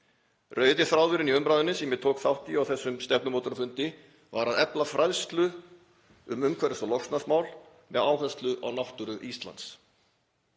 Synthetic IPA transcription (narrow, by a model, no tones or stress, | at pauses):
rœːɥt̪ɪθɾaːwðʏɾɪniʏmpɾaːðʏnːɪsɛmjɛt̪ʰoːwkθawhc̪iawθɛsːʏmst̪ɛp̚nʏmoːt̪ʏɾfʏnt̪ɪ | vaɾaðɛplafɾajðst̪lʏ | ʏmʏmkʰvɛɾɪsɔlɔxst̪nasmaːwl | mɛðaːwɦɛðst̪lʏʔa̰wnawht̪ʏɾʏʔist̪la̰nt̪s